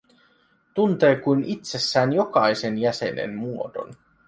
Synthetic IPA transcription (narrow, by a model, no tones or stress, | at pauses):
t̪unt̪eːkujnʔit̪sesːæːnjo̞kɑjsenjæsḛnḛnmuot̪o̞̰n